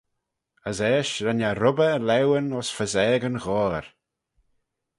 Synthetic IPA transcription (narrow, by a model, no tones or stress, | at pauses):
əzɛːʃɾanaɾʊbəlɛwənɔsfəzɛːɡənɣɔːɾ